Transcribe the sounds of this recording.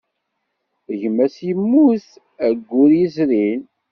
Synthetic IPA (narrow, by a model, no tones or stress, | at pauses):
əʝmæsijəmːuθ | æɡʷːʊɾjizɾin